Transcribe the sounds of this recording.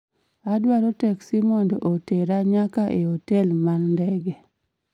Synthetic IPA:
adwaɾotɛksimondʔoteɾaɲakaʔeotɛlmanːdɛɡɛ

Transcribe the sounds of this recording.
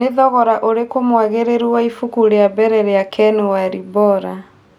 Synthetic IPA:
neðɔɣɔɾaʔoɾekomwaɣeɾeɾiwaifukuɾeabɛɾɛɾeakʰɛnewaɾibɔɾa

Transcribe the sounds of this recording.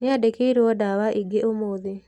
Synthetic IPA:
neadekeiɾeɔdawaʔiɡeʔomoːðe

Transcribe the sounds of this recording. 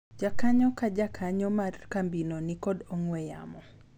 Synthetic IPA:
d͡ʒakaɲɔkad͡ʒakʰaɲɔmarkambinonikɔdɔŋwɛja̰mɔ

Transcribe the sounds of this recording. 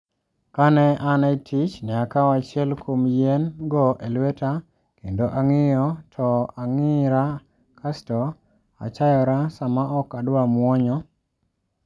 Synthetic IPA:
kanɛanaitʰit͡ʃnɛakawat͡ʃɪɛlkʰomjɛnɡɔʔelwɛta | kendoʔaŋɪjɔtʰɔaŋɪɾa | kʰastɔ | a̰t͡ʃajɔɾasamaʔɔkadwamwɔɲɔ

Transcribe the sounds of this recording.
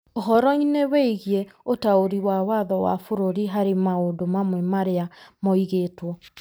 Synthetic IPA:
oɦɔɾɔineweiɣieotaoɾiwawaðɔwa̰foɾoɾiɦaɾemaodomamwɛmaɾeamɔiɣeːtwɔ

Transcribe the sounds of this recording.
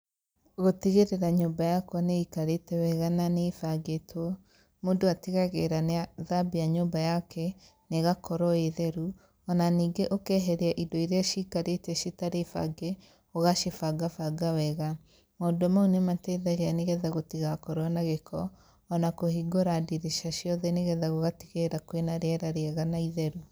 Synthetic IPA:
ɣotiɣeɾeɾaɲoːmbajakwɔneikaɾetɛwɛɣananefaɡetʰwɔ | moːdoatiɣaɣeɾaneaðabijaɲoːmbajakʰɛ | neɣakɔɾɔeðɛɾu | ɔnaniːɡeʔokɛɦɛɾeaʔidoiɾeaʃikaɾetɛʃitaɾefa̰ɡɛ | ɔɣaʃefaɡafaɡawɛɣa | moːdomaunematɛðɛɣɛaneɣɛðaɣotiɣakɔɾwanaɣekʰɔː | nakohiɡoɾadiɾeʃaʃjɔðɛneɣɛðaɣoɣatiɣeɾakwenaɾeɛɾaɾeaɣanaiðɛɾu

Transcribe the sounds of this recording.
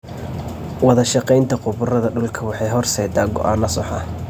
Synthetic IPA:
wɑðɐʃɑqɛjnt̪ʰɐqʊβʊrɐðɐɖʊlkʰɐwɑħɑjɦɔrsɛːd̪aːɡɔ̰ʔaːnɐsɔħɐ̰

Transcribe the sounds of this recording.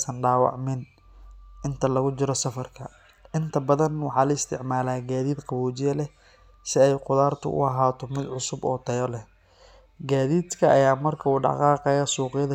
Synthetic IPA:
sɐnɖaːwɑ̰ʕmɪn | ʔɪnt̪ʰɐlɐɣʊt͡ʃɪɾɔsɐfɐrkʰɐ | ɪnt̪ʰɐbɐðɐnwɑħɑːlɐɪst̪ʰɪʕmaːlaːɡaːðiːd̪qɑβɔːt͡ʃɪjɐlɛ | sɪɛjqʊðaːrt̪ʰʊ̰ʔʊ̰ɐɦaːt̪ʰɔmɪd̪ʕʊsʊbɔ̰ːt̪ʰɐjɔlɛ | ɡaːðiːd̪kʰɐʔɐjaːmɐrkʰɐuːɖɑ̰qɑːqɛjɐsuːqɪjɐðɐ

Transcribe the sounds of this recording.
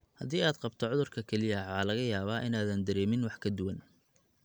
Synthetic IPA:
hɐðiːaːd̪qɑbt̪ʰɔʕʊðʊrkʰɐkʰɛlɪjɐʕaːlɐɣɐjaːβaːʔɪnaːðɐnd̪ɐɾɛːmɪnwɑħkʰɐd̪ʊwɐn

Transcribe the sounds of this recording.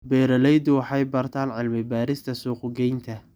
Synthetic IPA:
bɛːɾɐlɛjd̪ʊwɑħɑjbɐrt̪ʰaːnʕɪlmɪbaːɾɪst̪ʰɐsuːqʊɡɛjnt̪ʰɐ

